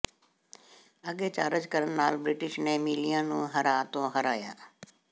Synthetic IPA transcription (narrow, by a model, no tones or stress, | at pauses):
əɠet͡ʃaːɾəd͡ʒkəɾənnaːlbɾɪʈɪʃnẽːmiːlijãːnũːɦɐɾaːt̪õːɦəɾaːja̰ː